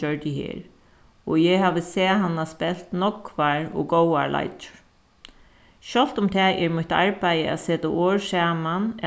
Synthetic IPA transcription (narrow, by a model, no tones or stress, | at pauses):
œɹt̪ɪhḛːɹ | ɔjɛhaːʋəsɛːɦanːaspɛl̥t̪nɔkʋaɹɔ̰ɡowa̰ɹla̰jt͡ʃʊ̥ɹ | ʃɔlt̪ʊmt̪ʰɛʔɛɹmʊt̪a̰ɹpajəæ̰seːt̪aʔoːɹsaːman